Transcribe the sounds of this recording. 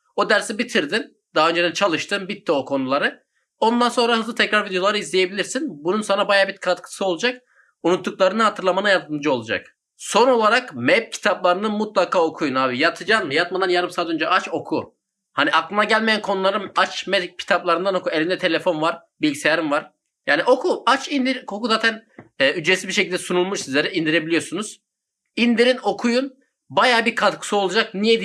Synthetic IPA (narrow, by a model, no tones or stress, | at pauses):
o̞d̪æɾsibit̪ʰiɾd̪in | d̪̥aɦːø̞nd͡ʒeɛt͡ʃʰalˠɯʃt̪ɯmbit̪ʰːiokʰo̞nulˠaɾɯ | o̞nd̪anso̞nɾahɯzlɯt̪ʰɛcɾaɾvid̪ejo̞lˠaɾɯizlʲeje̞bilʲiɾsinbununsanabajaːbit̪kʰat̪kʰɯ̥sɯo̞lˠud͡ʒak̚ | unut̪ːuk̚lˠaɾɯnɯɦat̪ʰɯɾlˠamanajat̪ɯmd͡ʒɯo̞lˠud͡ʒa̰k | so̞no̞lˠaɾakmɛp̚cʰi̥t̪ʰaplˠaɾɯnɯmut̪lˠakʰaːo̞kʰujunaːbijat̪ʰɯd͡ʒanmjat̪mad̪anjaɾɯmsaːt̪ønd͡ʒɛʔat͡ʃo̞kʰu | haniaklˠɯnaɟælʲmejænkʰo̞nulˠaɾɯmat͡ʃmɛcʰi̥t̪ʰaplˠaɾɯnd̪ano̞kue̞lʲind̪ɛt̪ʰe̞lʲefo̞nvaɾ̥ | bilʲɟise̞jaɾɯmvaɾ̥ | jaːniʔo̞kʰuat͡ʃʰind̪iɾkʰokuzaːt̪ʰænɛyd͡ʒɾesibiɾʃe̞cʰilʲd̪ɛsunulˠmuʃsizlʲeɾɛind̪iɾe̞bilʲijo̞ɾsunuz̥ | ind̪iɾino̞kʰujun | bajaːbiɾkʰat̪kʰɯ̥suolˠud͡ʒak̚nijed̪i